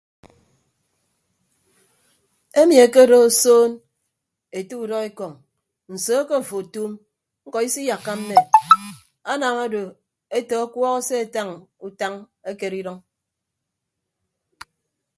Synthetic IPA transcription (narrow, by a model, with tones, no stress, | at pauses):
e˦mi˨e˨ke˦˨do˦o˨soː˦n | e˨tu˦u˨dɔ˦e˦kɔ˨ŋ | n̩˨soː˨˦ke˦m̩˨fo˨tuː˦m | ŋ̩˦kɔ˨i˦si˦ja˨kːa˦m̩˦me˦˨ | a˦naː˨ŋa˦do˨ | e˦tɔ˨a˦kwɔ˦ɣɔ˦se˦e˨ta˦ŋu˦ta˦ŋ | e˦ke˨ɾi˦ɾɔ˦ŋ